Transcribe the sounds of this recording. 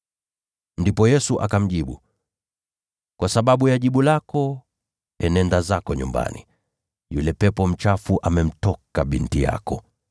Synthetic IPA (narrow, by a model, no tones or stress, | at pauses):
ndipɔjɛsuʔakam̩ʄiɓu | kwasaɓaɓujaʄiɓulakɔ | ɛnɛndazakɔɲṵmba̰nḭ | julɛpɛpɔm̩t͡ʃafuʔamɛm̩tɔkaɓintija̰kɔ